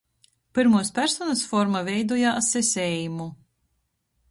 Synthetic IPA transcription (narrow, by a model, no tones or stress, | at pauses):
pɨɾmuɔspʲæɾsɔnɐsfɔɾmavʲɛjd̪uɔjasesʲɛːjumu